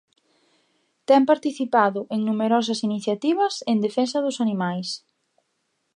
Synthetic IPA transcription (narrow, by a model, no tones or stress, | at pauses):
t̪ɛmpaɾt̪iθipaðʊʔeŋnumeɾɔs̬ɐsiniθjat̪iβɐsend̪efensɐðʊsanimajs